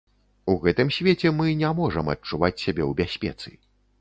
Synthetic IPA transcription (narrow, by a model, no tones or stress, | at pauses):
uɣɛt̪ɨmsʲvʲet͡sʲɛmɨnʲamɔʐɐmɐ̰t͡ʂuvat͡sʲsʲabʲɛwbʲasʲpʲɛ̰t̪sɨ̰